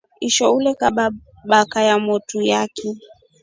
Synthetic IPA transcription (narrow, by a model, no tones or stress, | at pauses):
iʃɔulɛkaɓa | ɓakajamɔtujakɛ